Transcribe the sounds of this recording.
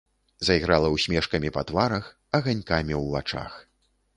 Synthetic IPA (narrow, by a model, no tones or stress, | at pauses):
zɐjɣɾalˠɐwsʲmʲɛʂkɐmʲipɐt̪vaɾɐx | ɐɣanʲkamʲiwvat͡ʂa̰x